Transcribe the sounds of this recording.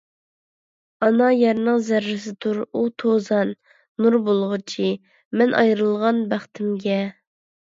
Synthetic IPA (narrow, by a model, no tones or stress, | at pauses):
ɑnɑjɛɾnɨŋzæɾːɪs̬ɪt̪ʰuɾut̪ʰozɑnː | uɾbolˠʁʊt͡ʃʰi | mɛnʔɑ̰jɾɨlˠʁɑnbæχt̪ʰɪmɡʲɛ